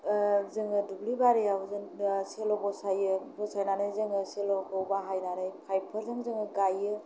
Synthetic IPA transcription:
zɯŋɯdublibaɾijawzɯnselɔbɔsajɯbɔsajnanɯjzɯŋɯselɔkʰɔwbaɦajnanɯjpʰajpʰɯɾzɯŋzɯŋɯɡajɯ

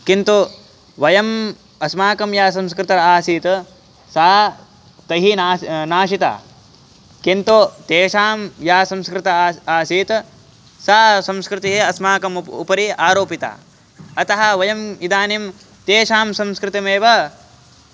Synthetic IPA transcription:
kint̪u | ʋɐjɐm | ɐsmaːkɐmjaːs̬ɐ̃mskɾɪt̪ɐɾaːsiːt̪ | saː | t̪ɐɦinanaːʃit̪a̰ː | kint̪ut̪eːʃaːmjaːsɐ̃mskɾɪt̪ɐaːsiːt̪ | saːsɐ̃mskɾɪt̪iɦeɐsmaːkɐmṵpɐɾiaːɾoːpit̪a̰ː | ɐt̪ɐɦɐ̆ʋɐjɐmid̪aːnim | t̪eːʃaːmsɐ̃mskɾɪt̪imeːʋɐ

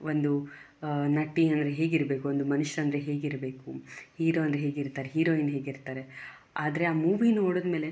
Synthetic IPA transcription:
ond̪u | nɐʈːiɐnd̪ɐɾeɦe̞ːɡiɾbeːkuond̪umɐnuʃɐɾɐnd̪ɾeɦe̞ːɡiɾbeːkuhiːɾoːɐnd̪ɾeɦeːɡiɾt̪aːɾeɦiːɾoːinɦe̞ːɡiɾt̪aːɾe̞ | aːd̪ɐɾe̞aːmuːʋinoːɽuod̪me̞ːle̞

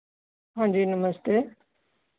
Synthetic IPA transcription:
ɦãːɲd͡ʑiːnəməst̪eː

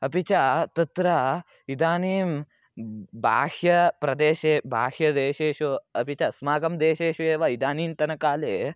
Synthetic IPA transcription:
ɐpit͡ʃat̪ɐt̪ɾɐ | id̪aːniːm | bʱa̰ːhjɐpɾɐd̪eːʃeːbʱa̰ːhjɐd̪eːʃeːʃuɐpit͡ʃɐsmaːɡɐmd̪eːʃeːʃueːʋaid̪aːniːmt̪ɐnɐkaːleː

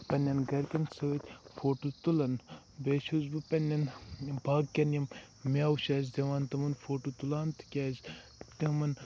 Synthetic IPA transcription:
pɐnʲɐnɡɐɾkʲɐnsɐʋɐt̪ʲfoːʈut̪ulɐn | beːʃuzbɨpɐnʲːɐnbaːɡkʲɐnjɐm | mʲaːwuʃaːzd̪ʲɐʋaːnt̪ɐmɐnfoːʈut̪ulaːnt̪ʰkʲaːz | t̪ɐmɐn

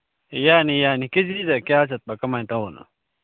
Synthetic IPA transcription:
jaːnijaːnikid͡ʑizɐkʲjaːsʰɐt̪̚bɐkɐmaĩt̪ɐoːnɐ̰

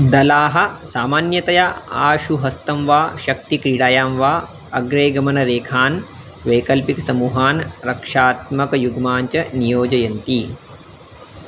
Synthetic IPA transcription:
d̪ɐlaːɦɐ̆saːmaːnjɐt̪ɐjaaːʃuɦɐst̪ɐmʋaːʃɐk̚t̪ikɾiːɽaːjaːmʋaː | ɐɡɾeːɡɐmɐnɐɾeːkʰaːn | ʋeːkɐlpiksɐmuːɦaːnɾɐkʂaːt̪mɐkɐjuɡmaːɲt͡ʃɐnijoːd͡ʒɐjɐnt̪i

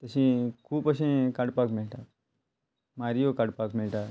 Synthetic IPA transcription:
t̪əsĩkʰuːpəsẽkaɽpakmilʈaː | maɾijokaɽpakmilʈa

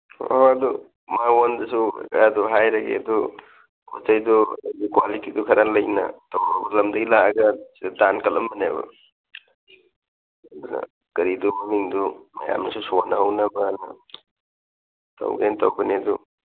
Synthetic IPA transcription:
ɐdu | mawondɐsuduɦajɾɐɡḛɐd̪u | kʰot͡ʃajdudɡikwalitidukʰɐɾalɐjnɐ̰tɐwɾabɐlɐmdɐɡilaɐɡɐsidadankɐlɐmbɐnebɐ̰ | ɐdunɐ̰ | kɐɾidumɐmiŋdumɐ̰ja̰mnɐsusonɐɦɐwnɐbɐnɐ̰ | tɐ̰wɡentɐwɡɐneɐdu

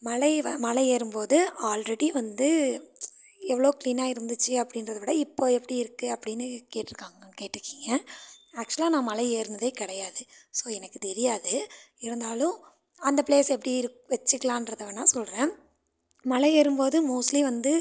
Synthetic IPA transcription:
mɐlɐɪʋɐmɐlɐɪeːɾɯmpoːðɯaːlɾɛɽiʋɐnd̪ɯ | ɛʋːɐɭoːkliːnaːɪɾɯnd̪ɯt͡ʃːɯɐpːɐɽɪnɾɐðɐʋɐɽɐɪpːoːɛpːɐɽiɪɾɯkːɯɐpːɐɽɪnːɯkeːʈːɪɾɯkːaːŋɡɐkeːʈːɪɾɯkːiːŋɡɐɐk̚t͡ʃʊɐlaːnãːmɐlɐɪeːɾɯnd̪ɐðeːkɪɽɐjaːðɯsoːɛnɐkːɯt̪ɛɾɪjaːðɯɪɾɯnd̪aːlʊ̃ | ɐnd̪ɐpleːsɛpːɐɽiɪɾɯkʋɛt͡ʃːɯkːlãːɪnɾɐðɐʋɐnãːsɔlɾẽː | mɐlɐeːɾɯmpoːðɯmoːsliʋɐnd̪ɯ

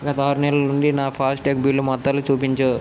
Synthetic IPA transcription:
ɡɐt̪aːɾunɛlɐnuɳɖinaːpʰaːsʈʈek̚biːlːumɐt̪ːɐlːut͡ʃuːpiɲt͡ʃoː

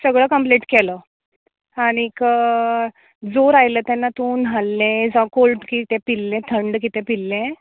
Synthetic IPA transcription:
səɡɭəkəmpleʈkɛləː | aɽ̃ik | d͡zoɾajləːt̪ɛnːat̪uːnɦalːẽd͡zakolʈkit̪ɛ̃pilːɛ̃t̪ʰəɳɖkit̪ɛ̃pilːẽ

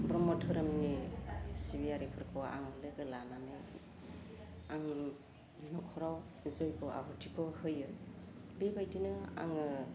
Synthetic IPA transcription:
bɾɔmɔtʰɯɾɯmnisibiaɾipʰɯɾkʰɔa̰ŋɔlɯɡɯlanane | aŋ | nɔkʰɔɾaw | zɔjbɔʔa̰ɦɔtʰikʰɔhɯjɯjbibajdinɯa̰ŋɯ

